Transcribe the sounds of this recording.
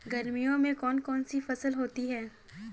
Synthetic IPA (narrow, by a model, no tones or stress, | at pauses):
ɡɐɾmijõmẽkɔːnkɔːnsifɐsəlɦoːt̪iɦɛː